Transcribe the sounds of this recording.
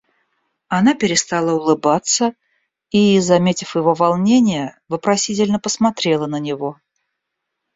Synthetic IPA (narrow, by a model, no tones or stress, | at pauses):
ɐnapʲɪɾʲɪst̪alˠəʊlˠɨbat̪sə | izɐmʲetʲɪfjɪvo̞vɐlˠnʲenʲɪjəvɨpɾɐsʲitʲɪlʲnəpəsmɐt̪ɾʲe̞lˠənənʲɪvo̞